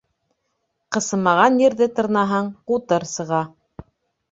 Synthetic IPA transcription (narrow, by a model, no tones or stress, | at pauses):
qɤ̆sɤ̆mɑʁɑnjɘ̆ɾðɘt̪ɤ̆ɾnɑɦɤɴqut̪ɤɾsɤ̆ʁɑ